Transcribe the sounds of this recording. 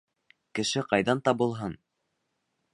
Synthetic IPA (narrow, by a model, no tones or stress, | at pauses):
kɘ̆ʃɘqɑjðɑnt̪ɑbɤ̆lˠɦɤn